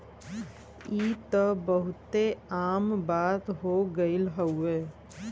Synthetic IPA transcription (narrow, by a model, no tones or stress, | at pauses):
it̪əbəɦʊt̪eaːmbaːt̪ɦoɡəɪlɦəue